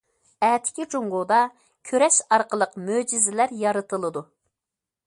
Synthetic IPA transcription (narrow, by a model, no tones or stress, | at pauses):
ɛːt̪ʰɪ̥kʲit͡ʃoŋʁod̪ɑ | kʲʰøɾɛʃɑɾqəlˠəqmød͡ʒizɪlæɾjɑɾɨt̪ɨlˠɨd̪u